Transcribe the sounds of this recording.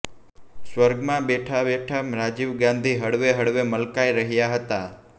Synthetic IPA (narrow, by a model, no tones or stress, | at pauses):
sʋəɾɡmãɓeʈʰabeʈʰamɾad͡ʒiʋɡãnd̪ʱiɦəɽʋeɦəɽʋeməlkaiɾəɦjaɦət̪a